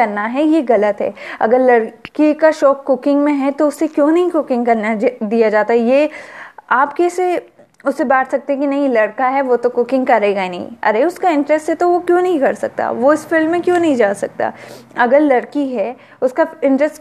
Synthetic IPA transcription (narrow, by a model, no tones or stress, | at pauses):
ɐɾnaɦɛjeɣɐlət̪ɦɛ̰ːɐ̰ɡəɾlɐɽkikaʃɔːkːʊkɪ̃ŋɡmẽɦɛt̪oʊsːekjõːnɐɦĩkʊkɪ̃ŋɡkɐɾnad̪ijad͡ʒaːt̪aɦɛjeːaːpkeːse | ʊsːebaːʈʰsɐk̚t̪ẽɦɛ̃k̬inɐɦĩlɐɽkaɦɛʋot̪okʊkɪ̃ŋɡkɐɾeɡaenɐɦḭ̃ɐ̰ɾeʊskaɪ̃ɳʈɾɛsʈɦɛt̪oʋokjõːnɐɦĩkɐɾsɐk̚t̪a̰ːʋoɪsfɪlmmẽkjõːnɐɦĩd͡ʒaːsɐk̚t̪a̰ːɐɡəɾlɐɽkiɦɛ | ʊskaɪ̃ɳʈɾɛsʈ